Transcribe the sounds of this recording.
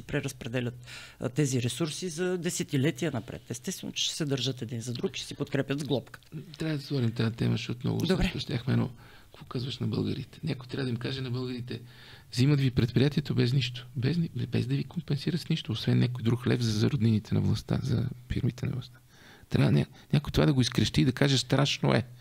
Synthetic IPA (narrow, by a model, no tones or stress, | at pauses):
sɛpɾɛɾəspɾɛd̪ɛlʲət̪ːɛziɾɛsuɾsizɐd̪ɛsɛt̪ilɛt̪iənɐpɾɛ̰t̪ɛːst̪ɛst̪vɛno̰t͡ʃɛ̥ʃɛ̥sɛd̪əɾʒət̪ɛd̪inzɐd̪ɾukʃɛ̥sipot̪kɾɛpʲəd̪zɡlˠɔpkə̥t̪ɾʲavəd̪ɐsvɔɾimt̪at̪ɛməʃɛot̪mnɔ̰ɡʊ̰d̪oɛoʃt̪ʲaxmɛnɔ̥ | kvɔkazvəʃnɐbɤ̰lˠɡəɾit̪ɛ̥nʲakojt̪ɾʲavɐəd̪imkaʒɛnɐbɤlˠɡəɾit̪ɛ | ziməd̪vipɾɛt̪̚pɾʲijat̪iɛt̪obɛzniʃt̪o̥bɛznibɛ̰zd̪ɐvikompɛnsiɾəsniʃt̪oːsvɛnːjakojd̪ɾuxlɛfzɐzɐɾod̪ninit̪ʰɛnɐ̰vlˠɐst̪a̰zɐ̰fḭɾmit̪ɛnɐ̰vlˠɐst̪ḁ | t̪ɾʔa̰vənʲa | nʲakojt̪ovad̪ɐɡoiskɾəʃt̪iːd̪ɐkaʒɛst̪ɾaʃno̰ʔɛ̰